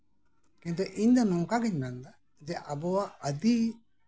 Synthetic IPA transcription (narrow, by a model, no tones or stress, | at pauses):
kɛnt̪ɔʔiɲd̪anɔmkaɡɛɲɾand̪a | d͡ʒɛʔabɔwaʔəd̪i